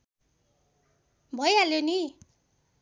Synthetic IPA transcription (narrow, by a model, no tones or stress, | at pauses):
bʱʌjaljoni